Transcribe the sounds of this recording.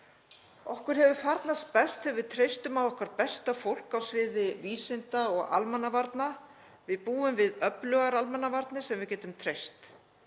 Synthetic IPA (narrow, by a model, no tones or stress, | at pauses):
ɔhkʏɾ̥hɛvʏfaɾt̪naspɛst̪hɛvɪt̪ʰɾejst̪ʏmavɔhkvaɾpɛst̪afowl̥kawsvɪːðɪviːsɪnt̪aɔɣa̰lmɛnːavaɾt̪na | vɪðpuːʏmvɪðœplœɣaɾalmɛnːavaɾt̪nɪsɛmvɪðcɛːt̪ʏmt̪ʰɾejst̪